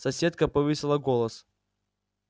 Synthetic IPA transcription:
sɐsʲe̞t̪̚kəpɐvɨsʲɪlˠəɡolˠəs

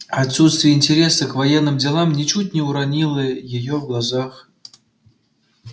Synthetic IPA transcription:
at̪sut̪st̪ʲvʲɪjəinʲtʲeɾʲesɨkvajenːɨmdʲɪlˠamnʲɪt͡ɕut̚ʲnʲɪuɾanʲilʲˠəjɪjovɡlˠazɑχ

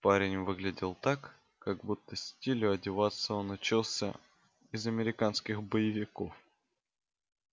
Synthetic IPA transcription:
paɾʲɪnʲvɨɡlʲɪdʲɪlˠt̪ak | kaɡbut̪ːəsʲtʲilʲʊɐdʲɪvat̪sːəonʊt͡ɕilˠsʲə̰ | ɪzɐmʲɪɾʲɪkanskʲɪxbəjɪvʲɪkof

